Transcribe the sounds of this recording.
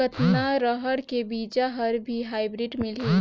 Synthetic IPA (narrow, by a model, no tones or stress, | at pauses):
ət̪naɾəɦəɽkebiːd͡ʒaɦəɾbʱiɦaːɪbɾiɖmɪlɦi